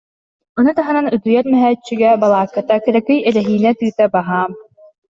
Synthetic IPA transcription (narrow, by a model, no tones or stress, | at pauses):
ɔnut̪aɦɯnanyt̪ujɛɾmɛɦɛt͡ɕːyɡɛbalˠaːkːat̪akɛɾɛkɯjɛɾɛɦiːnɛt̪ɯːt̪ɛbaɦaːm